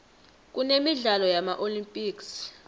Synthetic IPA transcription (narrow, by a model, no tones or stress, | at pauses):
k̬ʼunemiɮalɔjamaʔolimpʼiːks